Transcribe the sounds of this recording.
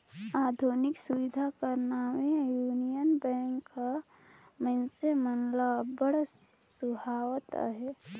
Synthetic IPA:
aːd̪ʱunɪksʊʋɪd̪ʱakəɾnawẽjuːnijənbɛ̃ːŋkːa | mɛ̃nsemənlabəɽasʊbʱaːwt̪a̰ɦɛ

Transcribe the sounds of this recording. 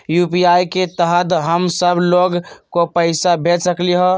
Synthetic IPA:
jupiajket̪əɦət̪ɦəmsəbʱloɡkopəɪsabʱet̪səkliɦɔ

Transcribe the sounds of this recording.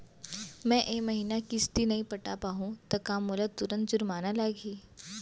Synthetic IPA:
mɛ̃ʔeməɦiːnakist̪iːnɐɦiːpəʈa̰paɦũt̪əkamːulat̪uɾənt̪̚d͡ʑuɾmanalaɡʱiː

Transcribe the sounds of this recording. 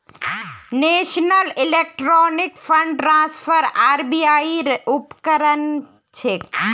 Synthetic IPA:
neʃnəlilek̚ʈɾɔnikpʰəɳɖʈɾãspʰəɾaːɾbiaiupkəɾən | t͡ʃʰe

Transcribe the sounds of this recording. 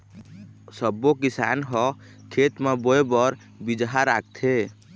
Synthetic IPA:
səbːokisa̰nɦɔ | kʰet̪meboebɔɾ | bid͡ʒɦaɾak̚t̪ʰe

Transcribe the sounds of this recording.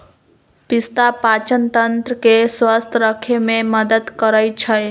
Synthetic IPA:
pɪst̪apaːt͡ʃənt̪ənt̪ɾəkeswast̪ʰɾəkʰemẽməd̪əd̪kəɾəjt͡ʃʰəj

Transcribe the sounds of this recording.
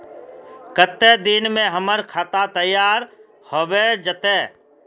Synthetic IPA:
kət̪ːed̪ɪnmẽɦəməɾkʰaːt̪at̪əjaːɾ | hoʋed͡ʒət̪eː

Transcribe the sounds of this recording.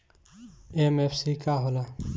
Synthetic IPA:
emeːfsikaːɦola

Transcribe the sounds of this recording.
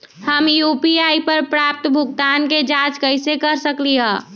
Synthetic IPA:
həmjuːpiaːipəɾpɾaːp̚t̪bʱʊɡt̪aːnked͡ʒaːt͡ʃkəɪsekəɾsəkliɦɛ̃ː

